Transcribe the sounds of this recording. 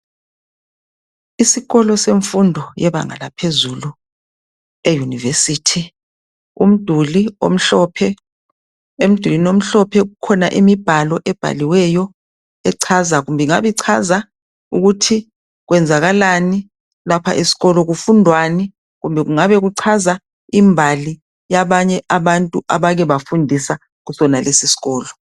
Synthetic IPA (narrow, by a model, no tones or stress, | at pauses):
isiɣɔlɔseɱfundʱɔjɛβa̰ŋa̰lapʰezulu | ejunivesitʰi | um̩d̥ʱulio̰m̩ɬɔpʰɛ | em̩d̥ʱulinom̩ɬɔpʰɛɣukʰɔnaʔimib̥ʱalɔʔɛb̥ʱa̰liwɛjɔ | ɛǀʰazaɣumbʱɛŋaβiǀʰaza | uɣutʰi | ɣ̬wɛnd͡zʱaɣalani | lapʰa̰ʔisi̥ɣɔlɔɣufundʱwani | ɣumbʱɛɣuŋaβɛɣuǀʰaza | imbʱali | jaβaɲɛʔaβantʼuʔaβaɣɛβafundʱisa | ɣusɔnalesisi̥ɣɔːlɔ